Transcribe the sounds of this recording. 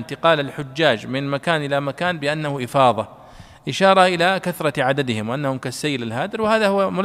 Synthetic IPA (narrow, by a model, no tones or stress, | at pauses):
nt̪ɪqɑːlalħʊd͡ʒːaːd͡ʒmɪnmakaːnʔɪlamakaːnbɪʔanːahʊʔɪfɑːðˤɑ | ʔɪʃɑːɾˤɑʔɪlakaθɾˤɑʕad̪ad̪ɪhɪmwʔanːahʊmkasːajːɪlalɦaːd̪ɪɾwɪhaːðahʊwːamʊl